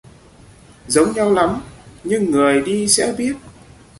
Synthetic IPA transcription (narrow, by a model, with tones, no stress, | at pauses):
zə˨˦wŋ͡mɲa˧wla˨˦mɲɨ˧ŋːɨ˨˩əjɗi˧sɛ̰˧˥ɓi˦˥ət̚